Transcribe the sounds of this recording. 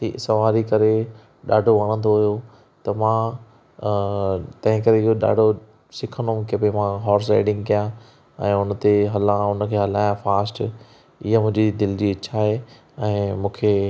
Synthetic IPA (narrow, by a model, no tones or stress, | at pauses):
isɐʋaːɾikɐɾe | ɗa̰ːɖʱoʋɐɽ̃ə̃nd̪oɦʊjo | t̪ɐmã | t̪ɐ̃ɦɪ̃kɐɾeɪɦoɗa̰ːɖʱo | sɪkʰə̃nd̪õkepemãɦɔːɾs̬ḛːɖɪ̃ŋɡkijã | ɛ̃ːʊnə̆t̪eɦɐlaʊnə̆kʰeːɦɐlaːjãfaːsʈ | ɪɦamʊ̃ɦɪ̃ɲd͡ʑid̪ɪld͡ʑiːɐt͡ɕʰaːɦe | ɛ̃ːmũːkʰe